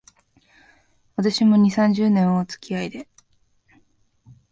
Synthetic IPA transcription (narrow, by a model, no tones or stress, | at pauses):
βat̪aɕimo̞ɲ̟isãɲ̟d͡ʑɨːnẽ̞ɰ̃oːt͡sɨ̥kʲiaid̪e̞